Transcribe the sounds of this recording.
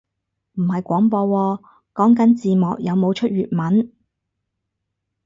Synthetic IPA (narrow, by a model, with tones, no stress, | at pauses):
m̩˨˩hɐ˨jkʷɔː˨˥ŋpɔː˧wɔː˧ | kɔː˨˥ŋkɐ˨˥nt͡siː˨mɔː˨k̚jɐ˨˧wmo˨˧wt͡ʃʰɵ˥t̚ɥyː˨t̚mɐ˨˥n